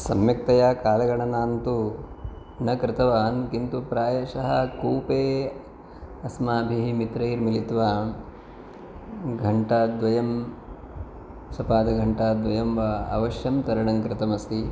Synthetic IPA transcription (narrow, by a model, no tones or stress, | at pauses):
sɐmjɐk̚t̪ɐjaːkaːlɐɡɐɳɐnaːnt̪u | nɐkɾɪt̪ɐʋaːnkint̪upɾaːjɐʃɐɦɐkuːpeː | ɐsmaːbʱiɦimit̪ɾɐiɾmilit̪ʋaː | ɡʱɐɳʈɐd̪ʋɐjɐm | sɐpaːd̪ɐɡʱɐɳʈɐːd̪ʋɐjɐmʋɐɐ̰ʋɐʃjɐmt̪ɐɾɐɳɐŋkɾɪt̪ɐmɐsi